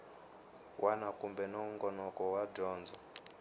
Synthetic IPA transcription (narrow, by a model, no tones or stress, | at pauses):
wʔanakumbɛnɔuŋɡɔnɔkɔwad͡ʒɔːnd͡zɔ